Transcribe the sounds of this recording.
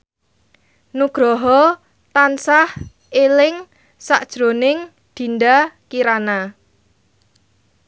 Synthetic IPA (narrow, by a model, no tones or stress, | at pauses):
nuɡ̥ɾɔɦɔ | t̪ansah | elɪŋ | saʔd̥ʒ̥ɾo̤nɪŋ | d̪̥i̤nd̪akiɾana